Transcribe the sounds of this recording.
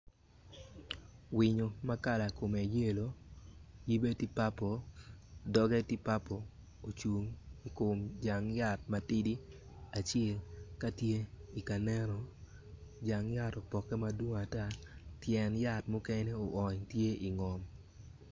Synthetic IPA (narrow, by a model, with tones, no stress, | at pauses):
wɪ˨ɲo˨ma˦ka˦la˨ko˨me˨je˦lo˨˦ | ji˦be˦ti˦pa˦po˨ | dɔ˦ɡɛ˦ti˦pa˦po˨ | o˨t͡ʃu˨ŋi˨ko˨md͡ʒa˨ŋja˦˨t̚ma˨ti˦di˦ | a˨t͡ʃɛ˦˨lka˦tje˦i˨ka˨nɛ˦ɾɔ˨ | d͡ʒa˨ŋja˦to˨pɔ˨kɛ˦ma˦dwo˦ŋa˨ta˦˨tjɛ˨nja˨tmʊ˦kɛ˦nɛ˦o˨ʔɔ˨ɲtje˦i˨ŋɔ˨m